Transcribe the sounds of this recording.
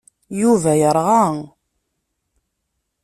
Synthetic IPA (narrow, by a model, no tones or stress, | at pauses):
juvæjəɾˤʁɑŋ